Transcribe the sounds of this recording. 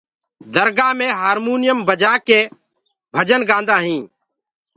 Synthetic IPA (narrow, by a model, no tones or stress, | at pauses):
d̪əɾɡaːmẽːɦaːɾmuːnɪjəmbəd͡ʒaːkeː | bʱəd͡ʒənɡãːnd̪aːɦĩː